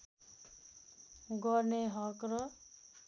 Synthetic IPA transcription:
ɡʌɾneɦʌkɾʌ

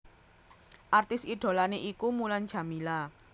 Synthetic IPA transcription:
ʔart̪ɪsiɖ̥o̤laneʔikumulan̥d͡ʒ̥a̤mila

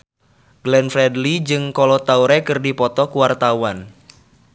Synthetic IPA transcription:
ɡlɛnfɾɛdlid͡ʒɨŋkɔlɔt̪auɾɛkɨrdipɔt̪ɔkuwart̪awan

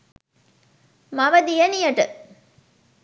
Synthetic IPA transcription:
mɐʋɐd̪ijɐnijɐʈɨ

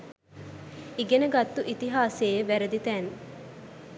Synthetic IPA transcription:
iɡenɐɡɐt̪ːuʔit̪iɦaːseːʋæɾɐd̪it̪æːn

